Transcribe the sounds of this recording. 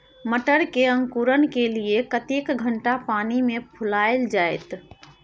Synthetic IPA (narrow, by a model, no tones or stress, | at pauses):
məʈəɾkeə̃ŋkuːɾənkeliekət̪ekɡʱəɳʈapaːnimẽpʰʊlaːeld͡ʒaːet̪